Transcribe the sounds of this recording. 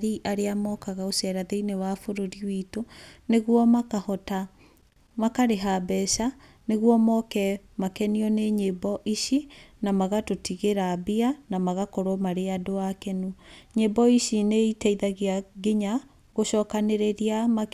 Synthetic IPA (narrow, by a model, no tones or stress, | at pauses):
ɾiʔaɾeamɔkaɣaosɛɾaðeinewafoɾoɾiwiːtoneɣwɔmakahɔta | makaɾeɦabɛʃa | neɣwɔmɔkɛ | makɛniɔneɲebɔʔiʃinamaɣatotiɣeɾabianamaɣakoɾɔmaɾeadoakɛnuɲebɔiʃineitɛiðaɣiaɡeɲa | ɣoʃɔːkaneɾeɾiama